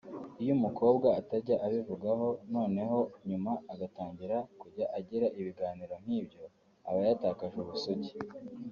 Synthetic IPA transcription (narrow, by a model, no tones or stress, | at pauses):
ujumuko̞ːbɡaːtaɾɟaʔaβivuɡaɦo̞no̞ːne̞ɦo̞ɲumaaɡataːɲɟiɾakuɟaʔaɟiɾaʔiβiɡaːniɾo̞m̥hiːbɟo̞ | a̰βajataːkaʒuβusoɟi